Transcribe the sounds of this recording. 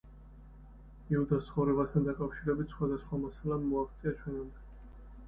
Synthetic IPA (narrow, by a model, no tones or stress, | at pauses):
iud̪ast̪sχɔvɾɛbast̪ʰand̪akʼafʃiɾɛbit̪ʰsχwad̪asχwamasalamːɔaχt̪sʼiat͡ʃʰwɛnamd̪a